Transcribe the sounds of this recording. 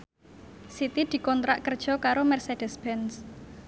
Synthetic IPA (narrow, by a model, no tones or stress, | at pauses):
sit̪id̪̥i̤kɔnt̪ɾaʔkərd̥ʒ̥ɔ̤kaɾomɛrsed̥əsb̥ɛns